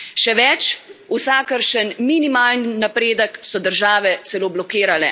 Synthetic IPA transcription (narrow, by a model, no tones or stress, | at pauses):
ʃɛʋɛt͡ʃusakəɾʃənminimaːlninapɾeːd̪əksɔd̪əɾʒaːʋɛt̪sɛloːblɔkiːɾalɛ̰